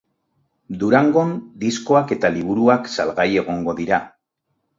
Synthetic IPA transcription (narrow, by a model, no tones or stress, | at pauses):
d̪uɾaŋɡo̞nd̪isko̞ake̞t̪aliβ̞uɾuaksalɣaje̞ɣ̞o̞ŋɡo̞ðiɾa